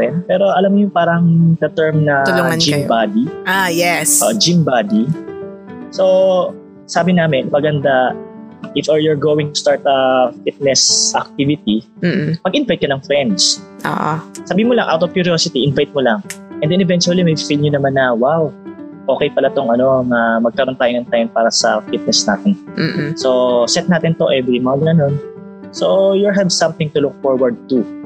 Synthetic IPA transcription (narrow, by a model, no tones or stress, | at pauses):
ɛnd̪̚pɛːɾo̞ʔɐlamɲʊŋpaːɾɐŋd̪ɐt̪ɛɹmnɐloɐnd͡ʒɪmbad̪iajɛsoʔd͡ʒɪmbaːd̪i | so | saːbɪnaːmɪnmɐɡɐnd̪a | ʔɪfɛɹjɔɹɡoːwɪŋt̪ʊ̥st̪aɹt̪ɐfit̪̚nɛsʔɐk̚t̪ivɪt̪ipɐɡʔɪnvajt̪̚kɐnɐŋfɾɛnd̪sʔo̰ʔosɐbiːhɪmolɐŋʔa̰wt̪ɔv̥kjʊɾioːsɪt̪iʔɪnvajt̪̚molɐŋʔɛnd̪ɛnɛvɛnt͡ʃuɐlimɐjfilɲʊnɐmanːɐwawʔo̞ːkɛjpɐlat̪oŋʔɐno̞ŋɐmɐɡ̚kɐɾo̞nt̪aːjoŋɐŋt̪ajoŋpaːɾɐsɐfit̪̚nɛsnaːt̪ɛnso̞sɛt̪̚naːt̪ɪnt̪oʔɛvɾimaŋɡɐno̞n | sojʊɹɦɛvsɐ̃mθɪŋt̪ʊlʊk̚foɹwɐɹd̪̚t̪u